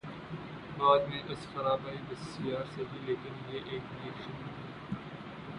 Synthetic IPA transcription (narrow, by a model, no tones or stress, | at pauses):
baːd̪mẽʔɐsxɐɾaːbaːid̪ɐsiaːɾsebileːkəɾjeʔeːkɪleːkʃənɐi